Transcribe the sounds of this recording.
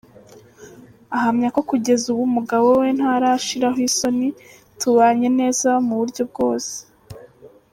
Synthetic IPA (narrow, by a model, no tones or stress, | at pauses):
aɦamɲako̞kuɟe̞zuβumuɡawo̞we̞n̥haɾaʃiɾaɦwiso̞ni | tuβaɲe̞ne̞ːzamuβuɾɟo̞b̚ɡo̞ːse̥